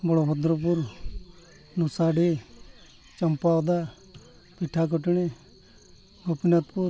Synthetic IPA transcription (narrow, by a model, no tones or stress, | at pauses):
bɔɽɔɦɔd̪ɾɔp̬uɾ | nusaɖe | t͡ʃɐmpawd̪a | piʈʰak̬ɔʈɽ̃e | ɡopinat̪puɾ